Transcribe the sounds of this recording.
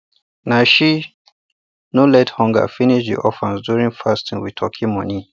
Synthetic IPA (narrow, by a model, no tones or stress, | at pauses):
naʃi | nolɛthɔ̃ŋɡə̰finiʃdðḭʔɔfɛ̃nsdjuɹĩŋfastʰĩnwitʰɔkʰimɔ̃ni